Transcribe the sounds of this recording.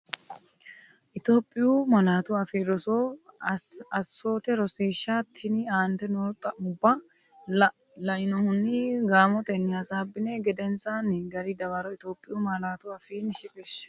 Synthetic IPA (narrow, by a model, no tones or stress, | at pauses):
ʔɪt̪o̞ːpʼːɪjumɐlaːt̪ʊɐfeːɾɔsoː | ɐsːo̞ːt̪ɛɾɔseːʃːat̪ʰːɪniaːnt̪ɛnot̪ʼɐʊbːɐ | lɐʔɪnɔhʊnːiɡaːmɔt̪ɛnːɪɐsaːbːɪneɡɛd̪ɛnsanɡɐɾɪd̪ɐβɐɾɔɪt̪oːpʼːɪjumɐlaːt̪ʊɐfiːnʃɪkʼɛʃɐ̥